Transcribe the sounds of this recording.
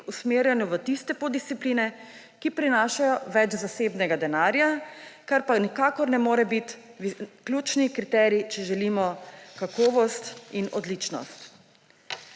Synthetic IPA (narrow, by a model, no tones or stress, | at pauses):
usmeːɾjɛnjuʋət̪ist̪ɛpod̪ist̪sipliːnɛ | kipɾinaːʃajɔʋɛt͡ʃzaseːbnɛɡad̪ɛnaːɾjakaɾpanikaːkɔɾnɛmoːɾɛbit̪ʋiklʲjuːt͡ʃnikɾit̪ɛɾit͡ʃɛʒɛliːmɔkakɔːʋɔst̪inɔd̪liːt͡ʃnɔ̰st̪